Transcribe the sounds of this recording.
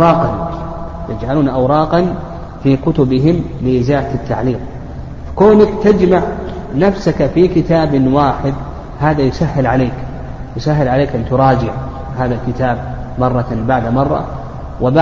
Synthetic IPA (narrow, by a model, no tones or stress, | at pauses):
ɑːqɑn | j̪ɪd͡ʒʕaluːnʔawɾˤɑːqɑn | fikʊt̪ʊbɪɦɪmlɪʔɪzaːʔat̪ːa̰ʕliːq | fḁkoːnakt̪ad͡ʒmaʕ | nafsakafikɪt̪aːbwaːħɪd̪ | haːðajʊsahːɪlʕaleːk | jʊsaɦːɪlʕaleːkɪnt̪ʊɾˤɑːd͡ʒɪʕ | haːðalkɪt̪aːb̚mɑrˤːɑbaʕd̪amɑrˤːɑ̰ | wɪba